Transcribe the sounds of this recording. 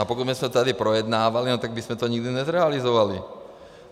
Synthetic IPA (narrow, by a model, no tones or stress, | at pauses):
apɔkud̪mɛsmɛt̪t̪ad̪ipɾɔjɛd̪naːʋalinɔt̪aɡ̚bismɛt̪ɔɲiɡd̪iɲɛzɾɛalizɔʋali